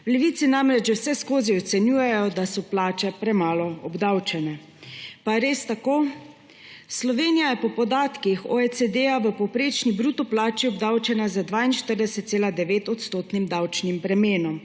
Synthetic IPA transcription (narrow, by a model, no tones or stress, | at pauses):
wlɛʋiːt̪sinamɾɛd͡ʒʒɛwsɛskoːziɔt̪sɛnjuːjɛjɔd̪asɔplaːt͡ʃɛpɾɛmaːlɔɔbd̪awt͡ʃɛnɛ | paɾeːst̪akoː | slɔʋeːnijajɛpɔpɔd̪aːt̪kixɔ̰et̪sed̪eaʋəpɔwpɾeːt͡ʃnibɾuːt̪ɔplaːt͡ʃiɔbd̪awt͡ʃɛnazad̪ʋaːinʃt̪əɾd̪ɛsɛt̪̚seːlad̪ɛʋeːt̪ɔt̪st̪oːt̪nimd̪awt͡ʃnimpɾɛmeːnɔm